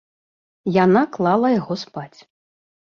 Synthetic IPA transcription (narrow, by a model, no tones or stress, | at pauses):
janaklˠalˠɐjaɣɔspat͡sʲ